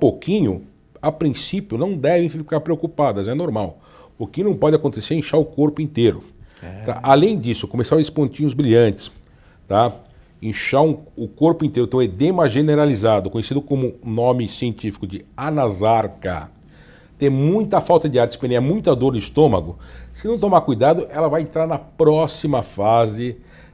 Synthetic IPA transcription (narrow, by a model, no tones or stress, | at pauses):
pokʰĩɲʊ | apɾĩsipjʊnɐ̃w̃d̪ɛvẽj̃fikaɾpɾeokupad̪ɐzɛnoɾmaw | ʊkɪnɐ̃w̃pɔd͡ʒɪakõnt̪eseɾẽʃaɾʊkoɾpʊĩnt̪eɾʊt̪aʔalẽj̃d͡ʒisʊkomesavzɪspõnt͡ʃ̪ĩɲʊzbɾiʎɐ̃nt͡ʃɪ̥s | t̪a | ẽʃaɾũʊkoɾpʊĩnt̪eɾʊt̪ẽed̪ẽmɐʒeneɾalizad̪ʊkõɲesid̪ʊkõmʊnõmɪsiẽnt͡ʃifi̥kʊd͡ʒɪanazaɾkɐ̰ | t̪ẽj̃mũj̃t̪ɐfawt̪ɐd͡ʒɪaɾtt͡ʃɪ̥spẽnẽɲamũj̃t̪ɐd̪oɾnʊist̪õmɐɡʊsɪnɐ̃w̃t̪omaɾkujd̪ad̪ʊʔɛlɐvajẽnt̪ɾaɾnɐpɾɔsimɐfazɪ